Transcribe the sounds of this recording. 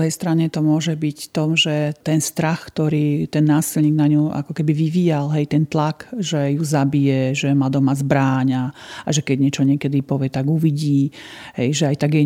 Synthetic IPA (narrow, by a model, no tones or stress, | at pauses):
uɦɛjst̪ɾaɲɛt̪ɔmʊɔʒɛbicft̪ɔmʒɛt̪ɛnst̪ɾaxkt̪ɔɾiːt̪ɛnːaːsilɲiːɡnaɲuʔa̰kɔkɛbiʋiʋiːjalɦɛjt̪ɛnt̪lakʒɛjuzabijɛʒɛmad̪ɔmazbɾaːɲaʔaʒɛkɛɟɲɪɛt͡ʃɔɲɪɛkɛd̪ipɔʋɪɛt̪aɡuʋiɟiːɦɛjʒɛajt̪aɡjɛ